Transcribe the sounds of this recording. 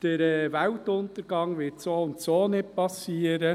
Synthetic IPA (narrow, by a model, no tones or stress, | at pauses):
d̥əɾɛʋæltʊnt̪əɾɡ̥ɑŋʋɪtsoːʊnt̪soːnɪt̚pɑsiːəɾə